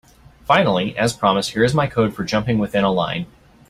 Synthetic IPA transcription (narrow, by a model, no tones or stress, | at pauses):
fãɪ̃nl̩ˠiʔɨz̥pʰɹ̥ɑməshiɹɨzmaɪkʰoʊd̥fə˞d͡ʒʌ̃mpɪ̃ŋwɨθɪ̃ñəlã̰ɪ̃n